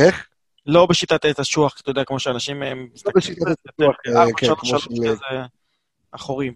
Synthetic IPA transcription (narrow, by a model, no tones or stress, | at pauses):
eχ | lo̞beʃit̪at̪etaʃuaχkt̪ajodeakmo̞ʃeanaʃimḛmlobeʃit̪at̪eaakalalʃze | aχoʁim